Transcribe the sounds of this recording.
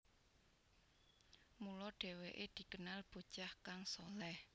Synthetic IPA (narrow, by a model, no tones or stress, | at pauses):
mulɔɖ̥ɛ̤weʔed̪̥i̤kənalb̥o̤̥ʒ̥ahkaŋsolɛh